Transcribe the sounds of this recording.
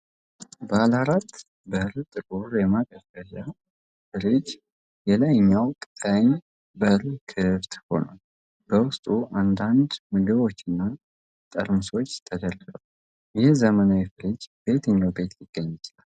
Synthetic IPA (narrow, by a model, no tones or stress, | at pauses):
bəalaɾat̪ː | bəɾt̪ʼɨkʼuɾjɛmak̪ʼəfəʃa | fɨɾid͡ʒ | jɛlajɲːawkʼɨt̪ʼəɲ | bəɾkʰɨft̪ʼho̞̰na̰ | b̥əwʊst̪ʼuʔand̪and̪mɨɡɨβo̞t͡ʃːɪnːa | t̪ʼə̰ɾmɨso̞t͡ʃːt̪ʰəd̪əɾəɡw | jɛhzəmənawifɨɾid͡ʒbe̞t̪ʰəɲːawbe̞t̪jɪɡ̥ːəɲːt͡ʃɪlal